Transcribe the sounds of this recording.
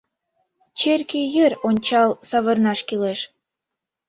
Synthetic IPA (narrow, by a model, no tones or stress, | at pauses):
t͡ɕerkejəronʲt͡ɕɑlsɑβɤrnɑʃkileʃ